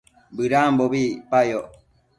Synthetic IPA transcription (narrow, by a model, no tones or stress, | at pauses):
bɨɾaːmboβipajoʔ